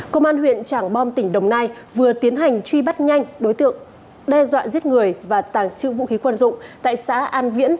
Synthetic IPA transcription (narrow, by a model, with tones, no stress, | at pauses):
kə˧wŋ͡mʔaː˧nhwḭ˧˨ənt͡ɕaː˧˩ŋɓɔ˧mt̪ï˧˩ŋ̟ɗə˨˩wŋ͡mnaː˧j | vɨ˨˩ət̪i˨˦ənɦa˨˩jŋ̟t͡ɕwi˧ɓa˦˥t̚ɲa˧jŋ̟ɗo˨˦jt̪ɨ̰˧˨əŋ | ɗɛ˧zwa̰ː˧˨zi˦˥ət̚ŋɨ˨˩əjvaː˨˩t̪aː˨˩ŋt͡ɕɨ̰˧˨vṵ˧˨xi˨˦kwə˧˩nzʊ̰˧˨ŋ͡mt̪a̰ː˧˨jsa̰ː˧˥ʔaː˧nvḭ˧˥n